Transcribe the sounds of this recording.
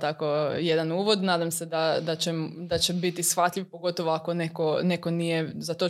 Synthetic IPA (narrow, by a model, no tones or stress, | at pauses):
t̪akoje̞d̪anuːʋo̞d̪naːd̪amsed̪ad̪at͡ɕed̪at͡ɕebit̪isxʋat̪ʎʲiʋpo̞ɡo̞t̪oʋoako̞nekone̞ko̞nijezat̪o